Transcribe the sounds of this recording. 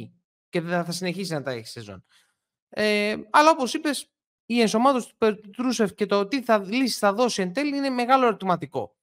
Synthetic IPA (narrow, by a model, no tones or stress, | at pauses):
ce̞ðθɐsine̞çisiznɐt̪ɐḛçi̥sezo̰n | eɐlɐo̞po̞sipe̞s | ie̞nso̞mɐt̪o̞st̪u̥peɾt̪ut̪ɾuse̞fce̞t̪ot̪iθɐlisi̥sθɐðo̞sie̞nt̪e̞liine̞me̞ɣɐloeɾot̪imɐt̪iko̞̰